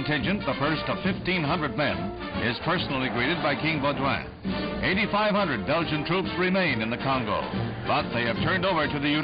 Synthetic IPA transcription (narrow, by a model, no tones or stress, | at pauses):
ntɪ̃nd͡ʒɨ̃nðəfɜ˞stʌv̥fɪftĩnɦʌ̃ndɹɨd̚mɛ̰̃n | ʔɪz̥pʰɜ˞sn̩l̩ˠiɡɹiɾɨd̚baɪkʰɪ̃ŋbɔd͡ʒwæ̰̃n | ʔeɪɾifaɪv̥hʌ̃ndɹɨd̚bɛlˠd͡ʒɨ̃ntʰɹ̥upsɹɪmẽɪ̃nɨ̃nðɨkʰɑ̃ŋɡo̰ʊ | b̥ʌt̪̚ðeɪɨv̥tʰɜ̃˞ndoʊvə˞ɾɨðɨjʉ